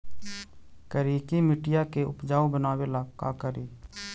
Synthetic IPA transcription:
kəɾiːkimɪʈɪjakeʊ̰pd͡ʒaːobənaːwelaːka̰kəɾiː

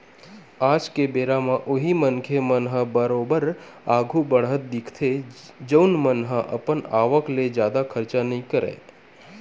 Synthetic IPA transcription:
aːd͡ʒkebeɾamãʔoɦimənkʰemənɦəbəɾobəɾaɡʱũbəɽɦət̪̚d̪ɪkʰt̪ʰed͡ʒəwnmənɦəʔə̰pənaːʋəkled͡ʒjaːd̪akʰəɾt͡ʃanəĩkəɾḛː

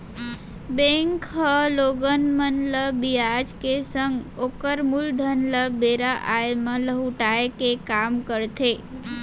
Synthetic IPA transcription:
bẽŋkɦəloːɡənmənləbijad͡ʒkesə̃ŋɡoːkəɾmʊld̪ʱənləbeːɾaʔaemə̃ləɦuʈaekekaːmkəɾt̪ʰe

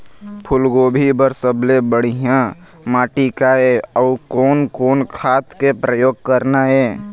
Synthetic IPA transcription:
pʰʊlɡoːbʱibəɾsəblebəɽ̤ijã | maːʈikaeəʊkoːnkoːnkʰaːt̪kepɾəjoːɡ̚kəɾnaɦɛː

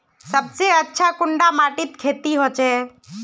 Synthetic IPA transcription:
səbseətːʃʰakʊɳɖamaːʈɪt̪kʰeːt̪iɦoːt͡ʃeː

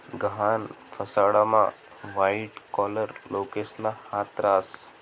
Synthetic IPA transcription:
ɡəɦanpʰəsaɽamã̰ | ʋajiʈkɔləɾlokeslahat̪ɾaːs

